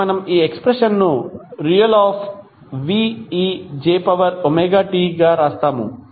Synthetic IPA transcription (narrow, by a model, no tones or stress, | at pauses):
ɐnɐmiːekspɾeʂɐnːuɾiːjɐlaːpʰ | ʋiːiːd͡ʒeːpɐʋɐɾomeːɡaːʈiːɡaːɾaːst̪aːmṵ